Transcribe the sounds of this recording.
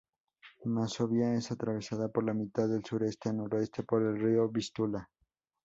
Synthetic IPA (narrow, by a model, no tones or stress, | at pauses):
masoβjae̞sat̪ɾaβe̞saðapo̞ɾlamit̪aððe̞lsuɾe̞st̪e̞anoɾe̞st̪e̞po̞ɾe̞lrio̞βist̪ula